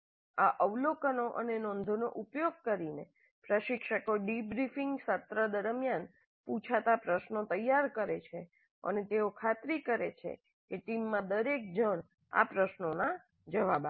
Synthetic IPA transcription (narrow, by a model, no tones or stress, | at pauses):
aʔəʋlokənoʔənenɔ̃nd̪ʱonoʔupjoɡ̚kəɾine | pɾəʃɪkʃəkoɖibɾifiŋɡsət̪ɾəd̪əɾmjan | pũt͡ʃʰat̪apɾəʃnot̪əjːaɾkəɾet͡ʃʰe | ə̰net̪eokʰat̪ɾikəɾet͡ʃʰḛ | keʈimːãd̪əɾek̚d͡ʒəɳ̃ | a̰pɾəʃnona | d͡ʒəʋaba